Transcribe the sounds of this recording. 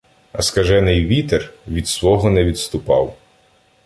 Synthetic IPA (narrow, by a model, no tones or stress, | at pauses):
ɐskɐʒɛnɪjʋʲit̪erʋʲid̪sʋɔɦɔnɛʋʲid̪st̪ʊpɑw